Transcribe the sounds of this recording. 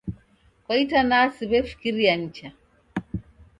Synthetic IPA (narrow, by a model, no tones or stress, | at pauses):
kwaitanasiβɛfi̥kiɾiaɲ̩t͡ʃa